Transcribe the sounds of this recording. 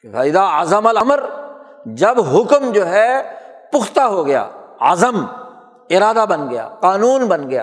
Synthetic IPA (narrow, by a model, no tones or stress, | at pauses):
kfaːɪd̪aazəmɐlɐməɾ | d͡ʒɐbɦʊkmd͡ʒoːɦɛpʊxʰt̪aɦoɡɐja̰ːa̰zəm | ɪɾaːd̪abɐnɡɐja̰ːqaːnuːnbɐnɡɐja̰ː